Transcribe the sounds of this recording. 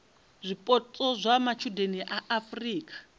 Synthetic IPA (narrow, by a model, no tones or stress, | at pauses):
zʷipʼɔtʼɔzʷamat͡ʃʰudeniʔaʔafriːkʼḁ